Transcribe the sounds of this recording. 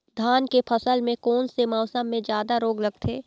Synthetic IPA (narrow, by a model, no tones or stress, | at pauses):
d̪ʱaːnkepʰəsəlmẽkoːnsemaːsəmːẽd͡ʒjaːd̪aɾoːɡlɐɡ̚t̪ʰeː